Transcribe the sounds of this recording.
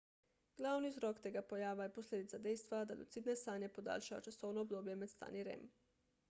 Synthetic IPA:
ɡ̥lˠawnizɾokt̪eːɡapojaːʋajeposlʲed̪it̪sad̪ejst̪ʋad̪a̰lṵt̪sid̪nest̪aːnjepod̪a̰ːlʲʃaʋa̰t͡ʃasownoobd̪oːbjemet̪st̪a̰ːniɾḛm

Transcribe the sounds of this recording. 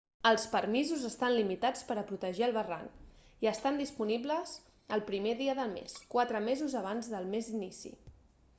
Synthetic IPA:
əlˠspəɾmizuzəst̪anlimit̪at͡spəɾəpɾut̪əʒiəlˠβəra̰ŋkiəst̪and̪ispunibləz | əlˠpɾimeðiəðəlˠmḛskwat̪ɾəmezuzəβ̞anzðəlˠmezinisḭ

